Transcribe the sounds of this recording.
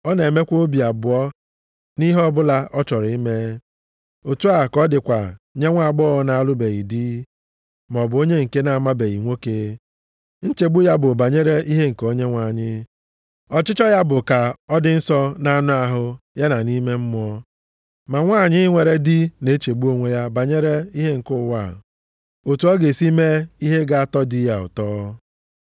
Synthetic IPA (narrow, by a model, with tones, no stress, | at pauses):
ɔ˦ne˨me˦kʷo˦bi˨a˨bʊ˨ɔ˦ | ni˦ɦɔ˦bʊ˦la˦ʔɔ˦t͡ʃɔ˨ɾi˦me˦ | o˨tu˦a˨kɔ˦dɪ˨kʷa˨ɲe˦ŋʷa˦˨ɡ͡bɔ˦na˨a˦lʊ˦be˨ɣi˨di˦ | m˨ɔ˨bʊ˨˦o˦ɲe˦ŋ̩˨ke˦na˨a˨ma˦be˨i˨ŋʷo˦keː˨˦ | n̩˦t͡ʃe˨ɡ͡bu˦ja˦bʊ˨ba˨ɲe˦ɾe˦ʔi˦ɦe˦ŋ̩˨ko˦ɲe˦ŋʷa˨ɲɪ˦ | ɔ˨t͡ʃɪ˦t͡ʃɔ˦ja˦bʊ˨ka˨ɔ˦dɪ˦n̩˦sɔ˦na˦nʊ˦a˨ɦʊ˦ja˦na˨ni˦me˦m̩˦mʊ˦ɔ˦ | ma˨ŋʷa˦˨ɲɪ˦ŋʷe˨ɾe˦dɪ˦ne˦t͡ʃe˨ɡ͡bu˦o˦ŋʷe˦ja˦ba˨ɲe˦ɾe˦i˦ɦe˦ŋ̩˨kʊ˦˨wa˦˨ | o˨tu˨˦ɔ˦ɡe˨si˦me˦i˦ɦe˦ɡa˦a˦tɔ˦di˦ja˦ʊ̰˨tɔː˦